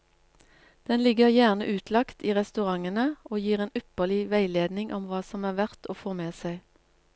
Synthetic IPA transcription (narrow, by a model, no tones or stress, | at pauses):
d̪̥ɛnlɪɡəʁjæʁnəʔʉːt̪ʰlɑkt̪iːʁɛst̪ʉʁɑŋənəoːjiːʁeːnʏpəlɪʋæɪleːd̪nɪŋʔɔmʋɑːsɔmæːʁʋæʁt̪ʰoːfoːmeːsæɪ